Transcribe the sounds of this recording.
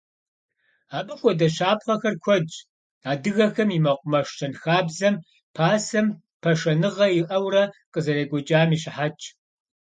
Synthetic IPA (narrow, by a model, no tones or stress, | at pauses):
aːɓʼɨxʷɔdɐʃaːpχɐxɐrkʷʰɔd͡ʒʼ | aːdɨɣɐxɐmimɐqʷʼʊmɐʂt͡ʃʰɐnxaːbzɐm | pʰaːsɐm | pʰɐʂɐnɨʁɐjɪʔɐwrɐqəzɐɾeːɡʷɔd͡ʒʼaːmiːɕɪħat͡ʃʼ